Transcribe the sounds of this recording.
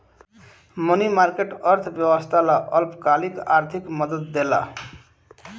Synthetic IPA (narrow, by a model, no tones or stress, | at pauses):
mʌnimarkeʈʌrt̪ʰbjʌwʌst̪ʰalaʔʌlpkalikart̪ʰikmʌd̪ʌt̪̚ːela̰